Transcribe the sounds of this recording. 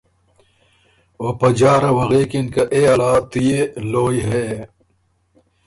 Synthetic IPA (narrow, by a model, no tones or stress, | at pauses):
oːpɐd͡ʑaːɾɐwɐɣeːkinkɐʔeɐlaːt̪ijeloːjɦeː